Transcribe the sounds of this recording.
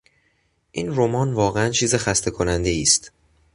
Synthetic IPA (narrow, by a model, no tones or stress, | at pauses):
ʔiːnro̞mɒːnvɒːɣeænt͡ʃʰiːzexæst̪ʰe̞kʰo̞nænd̪e̞iːst̪